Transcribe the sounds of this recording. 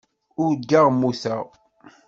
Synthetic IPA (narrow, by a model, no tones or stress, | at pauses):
ʊɾd͡ʒːaʁmusæ